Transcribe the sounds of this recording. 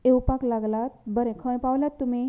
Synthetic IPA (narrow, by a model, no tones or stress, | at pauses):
ewpaklaɡlat̪̚bəɾɛ̃kʰə̃jpawljat̪ːum̤i